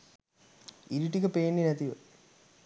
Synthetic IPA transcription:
iɾiʈːikɐpeːnːinɐt̪iʋɐ̰

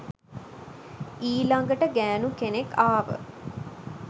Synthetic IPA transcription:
iːlaŋɡəʈəɡæːnukenekːaːʋə̰

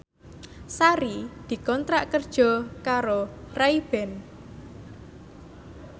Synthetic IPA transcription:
saɾid̪̥i̤kɔnt̪ɾaʔkərd̥ʒ̥ɔ̤kaɾoraib̥ɛn

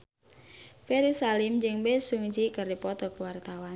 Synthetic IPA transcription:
feɾisalɪmd͡ʒɨŋbesuŋd͡ʒikərdipɔt̪ɔkəwart̪awan

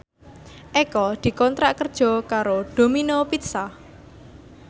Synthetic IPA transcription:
ʔekɔd̪̥i̤kɔnt̪ɾaʔkərd̥ʒ̥ɔ̤kaɾoɖ̪̥o̤minopit̪sa

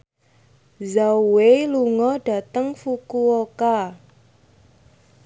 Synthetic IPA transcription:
zawweluŋɔɖ̥a̤t̪əŋfukuoka

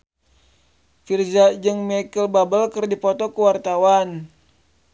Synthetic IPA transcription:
fird͡ʒad͡ʒɨŋmɛkəlbabəlkərdipɔt̪ɔkəwart̪awan

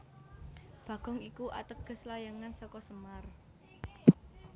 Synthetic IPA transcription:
b̥ä̤ɡ̥ɔ̤ŋikuʔa̰t̪əɡ̥ə̤slajaŋansɔkɔsəmar

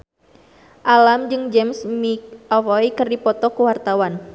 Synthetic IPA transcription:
ʔalamd͡ʒɨŋd͡ʒɛmsmik̚ɔfɔikɨrdipɔt̪ɔkəwart̪awan

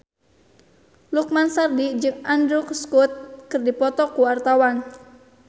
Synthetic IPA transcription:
luk̚mansardid͡ʒɨŋandɾʊkskut̪̚kɨrdipɔt̪ɔkuwart̪awan

